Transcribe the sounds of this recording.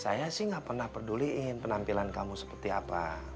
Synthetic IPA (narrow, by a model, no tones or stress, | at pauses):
sa̰jasɪhŋɡaʔpərnahpərduliʔɪnpənampilankamusə̥pərt̪iapa̰